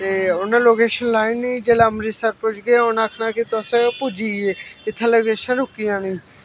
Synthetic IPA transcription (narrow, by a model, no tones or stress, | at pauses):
t̪eːʊnːãːloːkeːʃənlaːɪnːĩːd͡ʒeːlaːmɾisəɾpʊd͡ʒɡeaːʊnaːkʰnãːkɪt̪əsẽpud͡ʒiːeːɪt̪ʰːãːloːkeːʃənɾʊkːijãːnĩː